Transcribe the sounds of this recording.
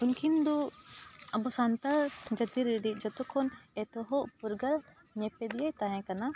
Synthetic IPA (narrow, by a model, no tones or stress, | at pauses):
unkʰind̪ɔ | abɔsant̪aɾd͡ʒət̪iɾiɖiʔ̚d͡ʒɔt̪ɔkʰɔnɛt̪ɔɦɔʔpuɾɡal | ɲɛpɛd̪iajt̪aɦɛ̃kana